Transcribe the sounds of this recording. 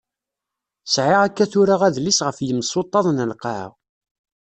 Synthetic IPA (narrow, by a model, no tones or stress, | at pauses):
sʕɪʁækːæθʊɾaʁæðlisʁəfjəmːsˤot̪ˤːɑðˤnəlqɑ̰ʁ